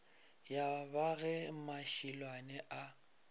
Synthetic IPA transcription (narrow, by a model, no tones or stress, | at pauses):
jabaɣɛmaʃilwanɛʔa